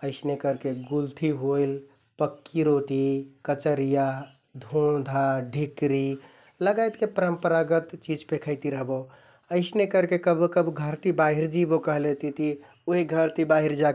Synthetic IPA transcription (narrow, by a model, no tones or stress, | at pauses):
əɪsnekəɾkeɡult̪ʰiɦojl | pəkːiɾoʈikət͡ʃəɾija | d̪ʱõd̪ʱaɖʱikɾi | ləɡajt̪kepəɾəmpəɾaɡət̪t͡ʃid͡ʒpekʰəɪt̪iɾəɦbo | əɪsnekəɾkekəbkəbɡʱəɾt̪ibaɦiɾd͡ʒibokəɦlet̪it̪i | oiɡʱəɾt̪ibaɦiɾd͡ʒa